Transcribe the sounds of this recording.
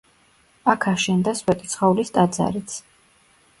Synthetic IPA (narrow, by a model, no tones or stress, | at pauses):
akʰaʃɛnd̪aswɛt̪ʼi̥t̪sʰχaulist̪ʼad̪za̰ɾit̪sʰ